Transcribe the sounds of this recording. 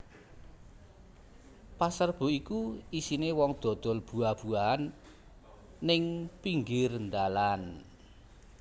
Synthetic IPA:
pasərb̥o̤ikuisinewɔŋd̪̥ɔ̤d̪̥ɔ̤lb̥ṳab̥uan | ɪŋpiŋɡɪrnd̪alan

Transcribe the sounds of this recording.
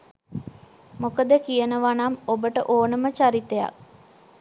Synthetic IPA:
mokəd̪əkijənəʋanamobəʈəʔoːnəmət͡ʃaɾit̪eja̰k̚

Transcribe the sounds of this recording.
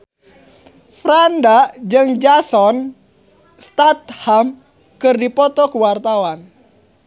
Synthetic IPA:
fɾandaʔd͡ʒɨŋd͡ʒasɔn | st̪at̪̚ham | kɨrdipɔt̪ɔkuwart̪awan

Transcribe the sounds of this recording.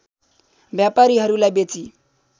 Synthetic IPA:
bjapaɾiɦaɾulabet͡sʼi

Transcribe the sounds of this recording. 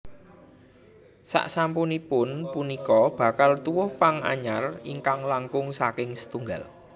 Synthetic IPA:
sa̰ʔsampunipʊnpunikɔb̥a̤kalt̪uwʊhpaŋa̰ɲariŋkaŋlaŋkʊŋsakɪŋsə̥t̪uŋɡal

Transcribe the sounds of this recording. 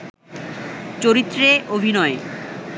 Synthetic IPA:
t͡ɕoɾit̪ːɾeʔobʱinɔe

